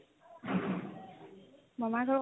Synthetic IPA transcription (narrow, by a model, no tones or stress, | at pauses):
bɔmaɹkʰɔɹ